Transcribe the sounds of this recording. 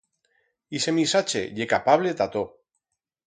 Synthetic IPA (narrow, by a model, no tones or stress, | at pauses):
isemisat͡ʃḛʎekapaβlet̪at̪o